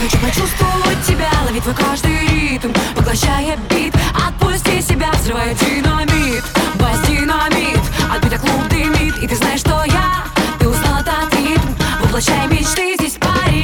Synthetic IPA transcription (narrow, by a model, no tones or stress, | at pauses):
t͡ʃɨxɐt͡ɕust̪vəvət̚ʲtʲːɪbʲalˠɐvʲit̪vojkaʐd̪ɨjɾʲit̪mvəɡlˠɐɕːajɐbʲit̪ɐt̪̚pusʲtʲisʲɪbʲavzɾɨvajʊt̪ʲinɐmʲit̪bɐsʲd̪ʲinɐmʲit̪ɐt̪̚bit̪ʲɐklˠubnɨjmʲit̪it̪ɨznajɪʂːt̪oja | t̪ɨʊsnalˠɐt̪at̪ɾʲit̪mvɨplˠɐɕːajmʲɪt͡ʃt̪ɨzʲdʲesʲpaɾʲ